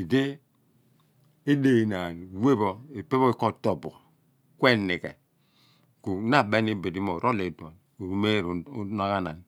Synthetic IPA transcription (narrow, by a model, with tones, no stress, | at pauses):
i˨de˦ | i˦de˨i˨na˨we˦bo˨i˨pe˦bo˦i˦ko˦to˨bu˨ | kʷe˦ni˨kḛ˨ | ku˨na˦˨be˦ni˦be˨di˦mo˨ɾo˦le˨do˨n | u˨ɾu˨me˦˨ɾna˦ka˦na˨n˨